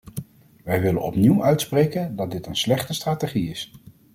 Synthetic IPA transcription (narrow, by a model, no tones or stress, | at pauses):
ʋɛjʋɪlə̰nɔpniwœɥtsprejkəndɑt̚dɪtənslɛχtəstraːteχiɪs